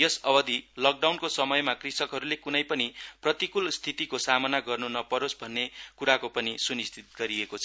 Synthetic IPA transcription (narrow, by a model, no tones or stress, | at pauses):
jʌsʌbʌd̪ʱilʌk̚ɖawnkosʌmʌjmakrisʌkɦʌɾulekunʌjpʌniprʌt̪ikulst̪ʰit̪ikosamʌnaɡʌrnunʌpʌɾosbʱʌnːekuɾakopʌnisunist̪ʰit̪̚ɡʌɾiekot͡sʰʌ